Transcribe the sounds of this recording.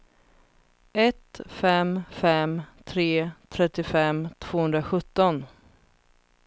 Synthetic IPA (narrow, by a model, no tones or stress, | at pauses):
ɛt̪fɛmfɛmt̪ʰɾeːt̪ʰɾɛt̪ːɪfɛmt̪ʰv̥oːhɵnd̪ɾaɧɵt̪ːɔn